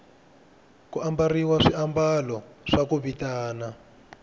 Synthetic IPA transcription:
kuʔambariwaʂiambalɔʂakuβitaːna

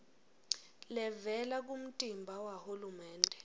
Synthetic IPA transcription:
lɛvɛlak̬ʼum̩tʼimbʱawahulumɛːndʱɛ

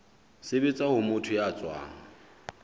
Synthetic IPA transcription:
sɪbet͡sʼahʊmʊtʰʊjaːt͡sʼwa̰ːŋ̩

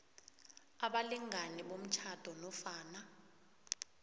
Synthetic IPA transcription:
aɓaliŋʱanɛɓom̩t͡ʃʰad̥ʱɔnɔfaːna

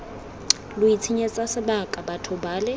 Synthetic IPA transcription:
lʊit͡sʰiɲɛt͡sʼasɪbakʼabatʰɔbaːlɛ

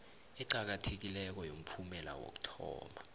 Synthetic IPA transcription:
ɛǃak̬atʰek̬ilɛk̬ɔjom̩pʰumɛla̰wo̰k̬u̥tʰɔ̰ːma

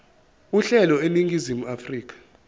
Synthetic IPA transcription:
uɬɛlɔeniŋɡʱizimuafriːk̬ʰʼḁ

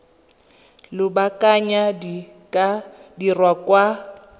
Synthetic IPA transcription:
lʊbakʼaɲa | dirwakwa

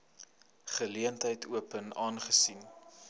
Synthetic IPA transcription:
χəliəntəjtʰuəpənɑːnχəsin

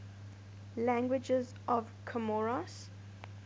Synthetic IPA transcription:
læ̃ŋɡwɪd͡ʒəz | ʔɔvkʰəmɔɹas

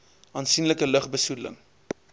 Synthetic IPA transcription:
ɑnsinləkələχbəsulə̰ŋ

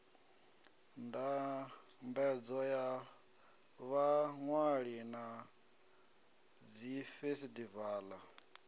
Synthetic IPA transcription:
nda | mbɛd͡zɔja | βaŋwaɺina | d͡zifesidivaːla

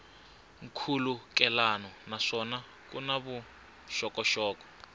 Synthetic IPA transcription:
ŋ̩kʰulukɛlanɔnaʂɔna | kunaβu | ʃɔkɔʃɔːkɔ̥

